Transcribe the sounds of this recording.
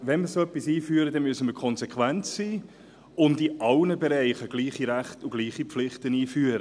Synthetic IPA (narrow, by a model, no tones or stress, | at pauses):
ʋɛnməɾsoːœpːisiːfyːəɾədɛnmyøsəməɾkʰɔnzekʰʋænt͡ssiː | ʊndiʔɑlnəbeɾæɪχəɡ̥liːχiɾæχtuɡ̥liːχipflɪχtəniːfyːəɾə